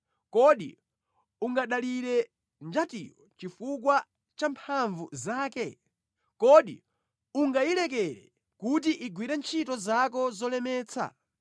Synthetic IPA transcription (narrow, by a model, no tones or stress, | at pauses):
kɔɗḭ | uŋɡaɗaliɾɛ | nd͡ʒatḭjɔt͡ʃifuk̬wa | t͡ʃampʰaɱvuzaːkɛ | kɔɗi | uŋɡailɛk̬ɛɾɛ̰ | kutiʔiɡwiɾɛnt͡ʃʰitɔzak̬ɔzɔlɛmɛːt͡sʰa̰